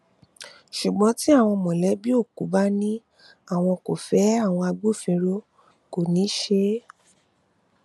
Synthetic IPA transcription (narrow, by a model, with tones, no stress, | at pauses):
ʃu˨ɡ͡bɔ̃˨˦ti˦a˦˨w̃ɔ̃˧mɔ̃˨lɛ˨˦bi˦o˦˨ku˨˦ba˦nĩ˦ | a˦˨w̃ɔ̃˧ko˨fɛ˨˦a˦˨w̃ɔ̃˧a˧ɡ͡bu˦˨fĩ˧ɾo˦ | ko˨nĩ˨˦ʃe˧